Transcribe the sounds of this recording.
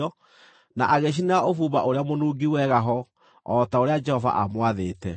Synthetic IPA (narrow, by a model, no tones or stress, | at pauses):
ɔ | na̰ʔaɣeɕ̬inofuːβa̰ʔoɾeamonuːɡiwɛɣaɦɔ | ɔtaoɾead͡ʒɛhɔva̰ʔamwaðeːtɛ